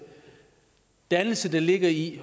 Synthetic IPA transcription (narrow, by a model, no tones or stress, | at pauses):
d̥ænl̩səd̥æle̝ɡ̥ɐi